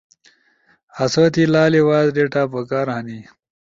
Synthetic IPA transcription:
ɐsot̪ilaːliwaːzɖeʈaːpəkaːɾɦɐni

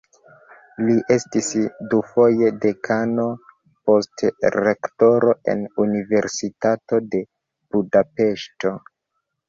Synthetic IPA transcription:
liʔe̞stisdufo̞je̞de̞kʰano̞ | po̞stɾekto̞ɾo̞e̞̰nunive̞ɾsitato̞de̞ | b̥udape̞ʃto̞

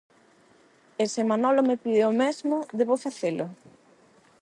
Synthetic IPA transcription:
esemanɔlomepiðeomɛzmʊðeβofaθelʊ

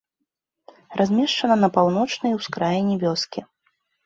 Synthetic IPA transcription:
rʔazʲmʲɛʂt͡ʂɐnɐnɐpawnɔt͡ʂnɐjwskɾajnʲɛvʲɔskʲi

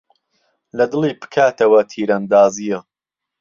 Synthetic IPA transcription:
lɐd̪ɨliːpɨ̥kʰaːt̪ɐwɐt̪ʰiːɾand̪aːzijɐ

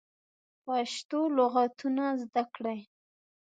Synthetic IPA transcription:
paʃt̪oloɣat̪unazd̪akɽaj

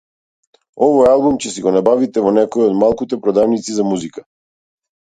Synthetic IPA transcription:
ɔvɔjalˠbumcɛsiɡɔnabavit̪ɛvɔnɛkɔiɔd̪malˠkut̪ɛpɾɔd̪avnit̪sizamuzika

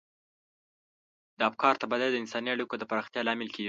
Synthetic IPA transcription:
d̪əabkʰɑɾt̪abad̪ad̪əɪnsɑniaɽikod̪əpaɾɑxt̪jɑlɑmɪlkeɡi

